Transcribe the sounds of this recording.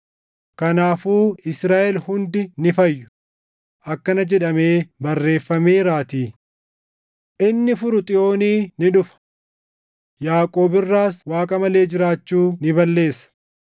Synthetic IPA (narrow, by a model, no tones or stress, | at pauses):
kɐnaːfuːɪsɾaːʔɛlhʊnd̪ɪnɪfɐjːʊ̥ | ʔɐkːɐnɐd͡ʒɛᶑɐme̞ːbɐrːe̞ːfːɐmeːɾaːt̪iː | ʔɪnːɪfʊɾʊt̪ʼɪjo̞ːniːnɪᶑʊfɐ̥ | jaːkʼo̞ːbɪrːaːswaːkʼɐmɐle̞ːd͡ʒɪɾaːt͡ʃːuːnɪbɐlːe̞ːsɐ̥